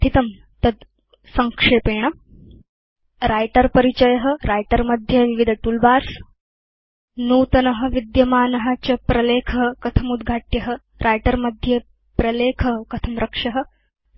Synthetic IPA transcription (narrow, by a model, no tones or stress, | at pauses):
t̪it̪ɐm | t̪ɐd̪ | sɐŋkʂeːpeːɳɐ | ɾaːjʈɐɾpɐɾit͡ɕɐjɐɦɐɾajʈɐɾmɐd̪ʱjɐʋiʋid̪ʱɐʈulbaːɾs | nuːt̪ɐnɐɦɐ̆ʋid̪jɐmaːnɐɦat͡ɕɐpɾɐleːkʰɐɦkɐt̪ʰɐmud̪ɡʱaːʈjɐɦə | ɾʔajʈɐɾmɐd̪ʱjɐ | pɾɐleːkʰɐɦkɐt̪ʰɐmɾɐkʂɐɦə̆